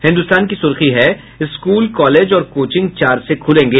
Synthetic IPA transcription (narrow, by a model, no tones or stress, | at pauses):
hɪ̃nd̪ʊst̪aːnkisʊɾxiɦɛ | ɪskuːlkɔːleːd͡ʒɔːɾkoːt͡ʃɪ̃ŋɡ̚t͡ʃaːɾsekʰʊlẽːŋɡeː